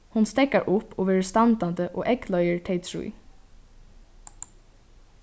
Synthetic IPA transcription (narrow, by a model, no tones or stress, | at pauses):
hʊnst̪ɛkaɹʔʊpːoːʋeːɹəst̪ɑnt̪and̪əʔo̰ːʔɛklœʏəɹt̪ʰɛɪt̪ʰɹṵː